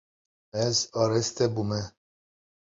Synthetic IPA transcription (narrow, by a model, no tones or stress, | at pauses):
ɛzɑːɾɛst̪ɛbumɛ